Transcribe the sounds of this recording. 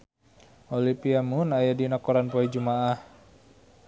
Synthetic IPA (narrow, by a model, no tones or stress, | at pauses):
ʔolipiamunajadinakɔɾanpɔɛd͡ʒumaʔah